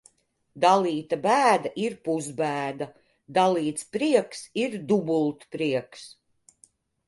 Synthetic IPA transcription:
d̪aliːt̪abæːd̪aʔiɾpuzbæːd̪a | d̪aliːt̪spɾiɛksiɾd̪ubulˠt̪pɾiɛks

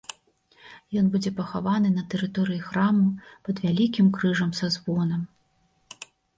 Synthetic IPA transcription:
jɔnbud͡zʲɛpɐxavanɨnɐt̪ɛɾɨt̪ɔɾɨjixɾamupɐd̪vʲalʲikʲimkɾɨʐɐmsazvɔnɐm

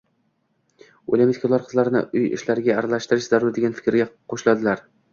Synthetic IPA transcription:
o̰lʲamɪt̪kʰʊlˠaɾqʰɨzlaɾɪnɪ̰ʊjɪ̰ʃlaɾɪɡʲaːɾalaʃt̪ɪɾɪʃzaɾʊɾd̪eɡʲanfɪ̥kʲɾɪɡʲaqʰoʃlad̪ɪlaɾ

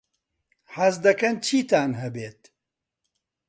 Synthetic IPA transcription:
hɐzd̪ɐkɐnt͡ʃʰiːt̪aːnɦɐbeːt̪

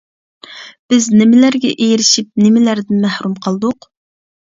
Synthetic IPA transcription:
b̥ɪznɪmɪlæɾɡʲɛʔejiɾɪʃip̚nɪmɪlæɾd̪ɪnmæhɾumqʰɑlˠd̪ʊq

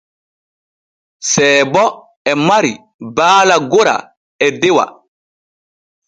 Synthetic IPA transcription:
sɛːbɔ | ɛmaɾi | baːlaɡoɾa̰ | ɛdɛwa̰

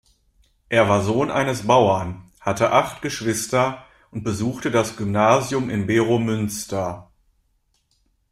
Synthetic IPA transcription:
ʔeːɐvaːɐzoːnʔa̰ɪnəsb̥aʊɐn | hatʰəʔaχtɡ̥əʃv̥ɪstɐ | ʔʊnt̚b̥əzuːxtədasɡ̥ymnaːzjʊmɪnbeːʁomʏnstɐ

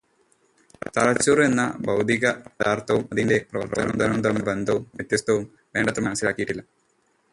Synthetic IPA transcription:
t̪ɐɭɐt͡ɕːuːre̞nːɐbɐwd̪ʱiɣɐd̪aːrt̪ɐʋumɐðinde̞prɐɐɐɐɐmd̪ɐɾɐmumt̪ɐnːubend̪ʱɐʋumʋjet̪jɐst̪ʰɐʋum | ʋe̞ːɳɖɐt̪ːrɐmɐnɐsːilaːkːijiʈːilːɐ

